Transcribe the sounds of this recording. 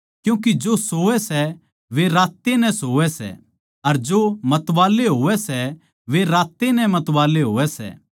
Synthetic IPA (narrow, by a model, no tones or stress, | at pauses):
kjũːk̬id͡ʒosoːʋɛsɛ | ʋeɾaːt̪ːenɛ̃soːʋɛsɛ̰ | ɐɾd͡ʒomɐt̪ʋaːleɦoːʋɛsɛ | ʋeɾaːt̪ːenɛ̃mɐt̪ʋaːleɦoːʋɛsɛ̰ː